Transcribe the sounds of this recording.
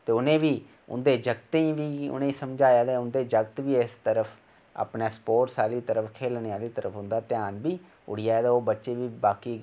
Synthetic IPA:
t̪eːʊnẽːʋiː | ʊ̰nd̪eːd͡ʒəɡt̪eːʋiːʊ̰nẽːsəmd͡ʒaːjaːd̪eːʊnd̪eːd͡ʒəɡt̪ʋiːɪst̪əɾəpʰ | a̰ːpneːspoːʈsaːliːt̪əɾəfʰkʰeːlneːaːliːt̪əɾəpʰʊnd̪aːt̪ɪjaːnbiː | ʊ̰ɽ̤ɪjaːed̪ɛːoːbətːʃeːʋiːbaːkiː

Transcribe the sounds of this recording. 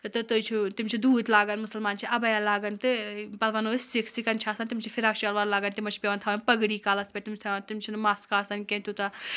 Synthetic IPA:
t̪ɨt̪ɨjt͡ʃʰut̪imt͡ʃʰid̪uːd̪laːɡɐnmusɐlmaːnt͡ʃʰiʔɐbɐjalaːɡɐnt̪ɨbɐlʋɐnoːsiksikɐnt͡ʃʰaːsɐnt̪imt͡ʃʰifʰiɾaːkʃɐlʋaːɾlaːɡɐnt̪imɐt͡ʃʰi̥pʲeʋɐnt̪ʰɐːʋɐnpɐɡɽiːkaːlɐspʲeʈt̪imt̪ʰɐt̪imt͡ʃʰinɨmaskaːsɐnkʲẽnt̪ut̪a

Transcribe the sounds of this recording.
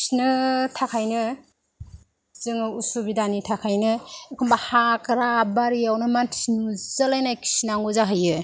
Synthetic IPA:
snɯtʰakʰajnɯ | zɯŋɯusubidanitʰakʰajnɯkʰɔmbahakɾabaɾijawnɯmantʰinuzɯlajnajkʰi̥snaŋɡuzaɦɯjɯ

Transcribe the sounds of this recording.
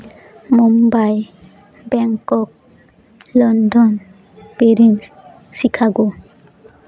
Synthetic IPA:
mumbaj | bɛŋkɔk̚ | lɔndɔn | peɾin | sikʰaɡo

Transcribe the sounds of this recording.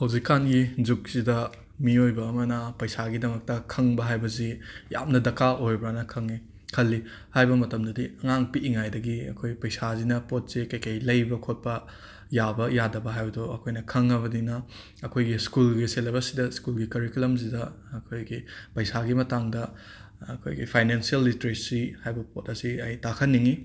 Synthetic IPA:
hɐwzikːanɡid͡ʒuk̚sidɐ | miojbɐːmɐnɐpɐjsaɡidɐmɐk̚tɐkʰɐŋbɐɦajbɐzija̰mnɐdɐkaʔojbɾanɐkʰɐŋi | kʰɐlːi | hajbɐmɐtɐmdɐdiɐŋaŋpiʔːŋajdɐɡiɐ̰kʰojpɐjsazinɐpot̚sikɐjkʰɐjlɐjbɐkʰot̚pɐ | jabɐjadɐbɐɦajbɐdoɐkʰojnɐkʰɐŋɐβɐdinɐ | ɐkʰojɡiskulɡiselebɐsidɐskulɡikɐɾikulɐmz̬idɐː | kʰojɡipɐjsaɡimɐtaŋdɐ | ɐkʰo̰jɡḭpʰajnensiɐlːiteɾesihajbɐpotɐsiɐjtakʰɐnːiŋi

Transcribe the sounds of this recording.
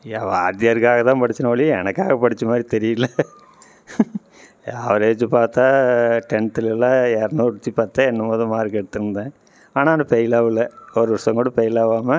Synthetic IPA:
ɐʋɐ̰t̪ɪjɐɾkːaːɣɐt̪ãːpɐɽɪt͡ʃːɐnɐʋɐɭiɛnɐkːaːɣɐpɐɽɪt͡ʃːɐmaːd̪ɾit̪ɛɾɪjlːɐ | ɐʋɐɾeːʋɐt͡ʃːɯpaːɾt̪aːʈɛɳʈɪlɛlːãːɛɾnoːɽɯt̪ːipaːɾt̪aːɛnːɐmoːðɐ̃maːɾɯkɛɽɯt̪ːɯɾɯnd̪ãː | aːnaːnɐpejɪlaːʋɪlːɐɔɾɯʋɐsɐŋɡoɽɐpejɪlaːʋaːmɐ

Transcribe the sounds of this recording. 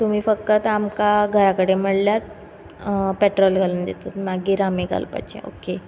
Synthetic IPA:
t̪um̤iːfək̚t̪ət̪amkaɡʱəɾakəɽeməɽljat̪ | peʈɾɔlɡʱaluːnd̪et̪ot̪maɡiːɾamiːɡʱa̰lpa̰t͡ɕḛo̰ke

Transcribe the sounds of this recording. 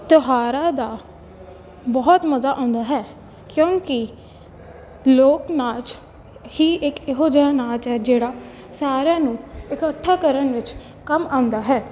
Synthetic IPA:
t̪ʊɦaːɾaːd̪aː | bɔːt̪məzaːʔãːʊnd̪aːɦɛː | kjõːkɪ | loːknaːt͡ʃ | hiːʔɪkɪɦoːd͡ʒəaːnaːt͡ʃɦɛːd͡ʒeːɽaː | saːɾjãːnũːɪkəʈʰːaːkəɾənʋɪt͡ʃ | kəmaːʊ̃nd̪aːɦɛː

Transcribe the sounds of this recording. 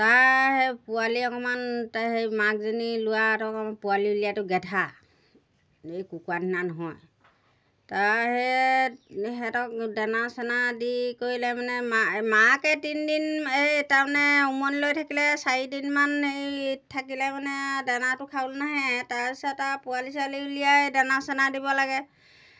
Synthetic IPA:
taɹɦɛpualiɔkɔmantaɦejmak̚zinilʊwatɔɔkɔmanpualilijatʊɡɛtʰa | ejkukuwanʰinanɔɦɔj | taɦɛ | ɦɛtɔk̚danasɛnadikoɹilɛmanɛmamakɛtindinetaɹmanɛumɔnlojtʰakilɛsaɹidinmanejtʰakilɛmanɛdanatʊkʰaʊlnaɦɛtaɹpisɔtːapualisaliulijadanasɛnadibɔlaɡɛ

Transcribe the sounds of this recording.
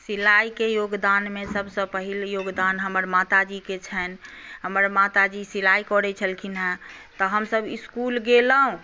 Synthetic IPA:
silajkejoɡd̪anmesəbʱsə̃pəɦiljoɡd̪anɦəməɾmat̪ad͡ʒiket͡ʃʰənɦəməɾmat̪ad͡ʒisilaikɔɾɛt͡ʃʰəlkʰinat̪ɔɦəmsəbiskulɡelaɦũ

